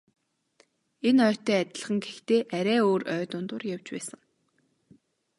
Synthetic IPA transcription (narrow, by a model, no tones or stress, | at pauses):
enœːt̪œːæt̪ʲɪ̆ɮ̆χə̆ŋɡext̪eːʔæɾʲæːoːrœːt̪ʊːnt̪ʊrjawt͡ɕpæ̰ːsə̆ŋ